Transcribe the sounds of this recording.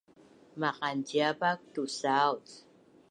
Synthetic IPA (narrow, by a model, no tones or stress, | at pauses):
maqantiapak̚t̪usawt͡s